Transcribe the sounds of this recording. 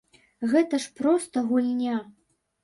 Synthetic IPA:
ɣɛt̪ɐʂpɾɔst̪ɐɣulʲnʲa

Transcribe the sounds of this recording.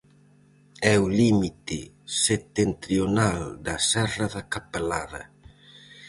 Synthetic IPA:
ɛʊlimit̪ɪ | set̪ent̪ɾjonald̪ɐsɛrɐðɐkapelaðɐ̰

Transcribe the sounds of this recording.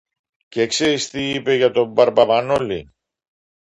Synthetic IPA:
cekseɾist̪iipe̞ʝɐt̪o̞bɐɾpɐvɐnolḭ

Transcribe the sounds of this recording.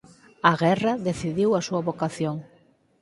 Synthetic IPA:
ɐɣɛrɐðeθiðiwɐsuɐβokaθjoŋ

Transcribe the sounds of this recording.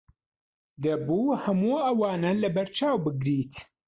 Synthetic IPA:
d̪ɐbuːhɐmuːɐwaːnɐlɐbɐɾt͡ʃʰaːwbɨɡɾiːt̪

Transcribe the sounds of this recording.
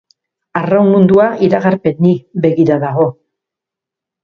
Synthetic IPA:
arawmund̪uaʔiɾaɣaɾpe̞nːiβe̞ɣiɾaðaɣo̞

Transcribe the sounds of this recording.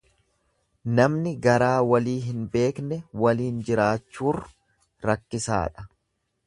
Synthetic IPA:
nɐmnɪɡɐɾaːwɐliːɦɪnbe̞ːknɛwɐliːnd͡ʒɪɾaːt͡ʃːuːrː | ɐkːɪsa̰ːᶑɐ̥

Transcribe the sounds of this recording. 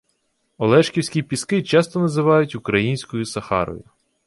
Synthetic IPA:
ɔlˠɛʃkʲiwsʲkʲipʲiskɪt͡ʃɑst̪ɔnɐzɪʋɑjʊtʲʊkɾɐjinʲsʲkɔjʊsɐxɑ̰ɾɔ̰jʊ̰

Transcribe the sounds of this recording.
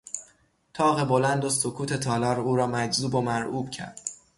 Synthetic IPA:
t̪ʰɒːɣe̞bo̞lænd̪osokʰuːt̪ʰe̞t̪ʰɒːlɒːɾuːɾɒːmæd͡ʒzuːbo̞mæɾʔuːb̥cʰæ̰ɾd̪̥

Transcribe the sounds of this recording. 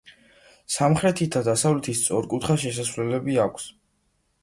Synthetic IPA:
samχɾɛt̪ʰit̪ʰad̪asavlɛt̪ʰist̪sʼɔɾkʼut̪ʰχaʃɛs̬asvlɛlɛbiakʷʰs

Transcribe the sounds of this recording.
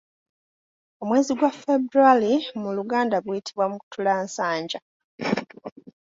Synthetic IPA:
o̞mwe̞ːziɡwafebɾualimuluɡaːndaβwiitʰiβwamuku̥tulaːnsaːɲɟa

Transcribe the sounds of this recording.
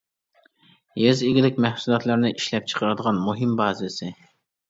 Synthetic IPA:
jøzɪɡʲilɪkʲmɛhsulˠɑt̪lˠɨɾnɪʔiʃlɛp̚t͡ʃʰə̥qʰəɾɨd̪əʁɑnmuɦɨmbɑːzɪsɪ

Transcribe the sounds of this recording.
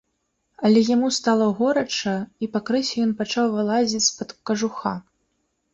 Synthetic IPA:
ɐlʲɛjamust̪alˠɐɣɔɾɐt͡ʂɐipɐkɾɨsʲɛjɔnpat͡ʂawvɨlˠazʲit͡sʲsʲpɐt̪kɐʐuxa̰

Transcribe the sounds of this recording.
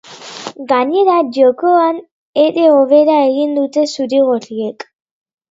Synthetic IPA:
ɡaɲe̞ɾaʝo̞ko̞an | e̞ɾe̞o̞βe̞ɾae̞ɣind̪ut̪e̞suɾiɣurie̞k

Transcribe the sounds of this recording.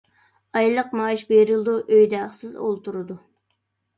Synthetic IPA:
ɑjlˠəqmɑːiʃbeɾɨlˠd̪uʔøjd̪æχsɨzo̰lˠt̪ʰuɾɨd̪u

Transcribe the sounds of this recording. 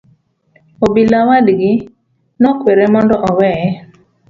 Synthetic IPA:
obilawadɡɪ | nɔkweɾemɔndɔʔɔwɛɛ

